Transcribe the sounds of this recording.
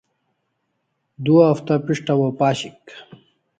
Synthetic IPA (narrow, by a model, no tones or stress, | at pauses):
d̪uɐft̪apiʂʈɐwopaːɕik